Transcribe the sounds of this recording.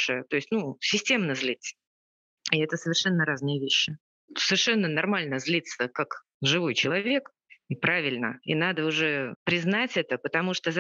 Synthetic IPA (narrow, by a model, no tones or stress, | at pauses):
ʂəjət̪o̞ɪsʲtʲnusʲɪsʲtʲe̞mnəzlʲit̪sə̥ | ɪɛt̪əsəvʲɪrʂɛnːəɾaznɨjəvʲeɕːɪ | səvʲɪrʂɛnːənɐrmalʲnəzlʲit̪sːəkak | ʐɨvo̞jt͡ɕɪlˠɐvʲe̞k | ɪpɾavʲɪlʲnə̰inad̪əʊʐɛpɾʲɪznatʲɛt̪əpət̪ɐmuʂt̪oz